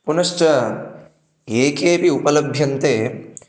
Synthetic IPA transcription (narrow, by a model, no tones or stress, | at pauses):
punɐʂʈɐ | eːkeːpiupɐlɐbʱjɐnt̪eː